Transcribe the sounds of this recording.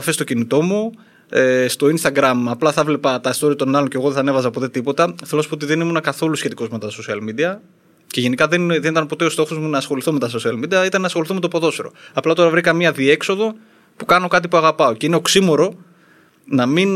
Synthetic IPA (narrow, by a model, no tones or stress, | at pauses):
ɐfest̪ocinit̪o̞mu | est̪o̞inst̪ɐɡɾɐmɐplɐθɐevle̞pɐt̪ɐist̪o̞ɾiɐt̪o̞nɐlo̞nceɣoðeθɐne̞vɐzɐpot̪e̞t̪ipo̞t̪ɐθelosspot̪̬iðe̞nimunɐkɐθo̞lusçe̞t̪iko̞zme̞t̪ɐso̞siɐlmid̪iɐ | ce̞ʝe̞nikɐðenðenit̪ɐnpo̞t̪e̞ost̪o̞xozmunɐːsxo̞liθo̞me̞t̪ɐs̬o̞siɐlmid̪iɐit̪ɐnːɐːsxo̞liθome̞t̪opo̞ðosiɾo̞̰ɐplɐt̪o̞ɾɐvɾikɐmiɐðie̞kso̞ðo̞ | pukɐno̞kɐt̪̬ipuɐɣɐpɐo̞ce̞ineoksimo̞ɾo̞ | nɐmin